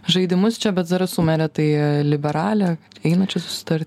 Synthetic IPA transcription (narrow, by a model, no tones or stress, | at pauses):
ʒɐɪd̪ʲɪmʊst͡ʃʲɛbʲɛt̪zɐɾɐsʊmʲɛɾʲɛt̪ɐɪlʲɪbʲɛɾɑːlʲɛ | ɛɪnɐt͡ʃʲɛsʊ̥sʲɪ̥t̪ɐɾʲt̪ʲ